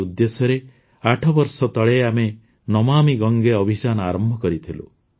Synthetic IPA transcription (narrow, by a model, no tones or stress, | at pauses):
ud̪ːesjɔɾe | aʈʰɔbɔɾsɔt̪ɔɭeame | nɔmamiɡɔŋɡeɔbʱid͡ʒanɔaɾɔmbʱɔkɔɾit̪ʰilṵ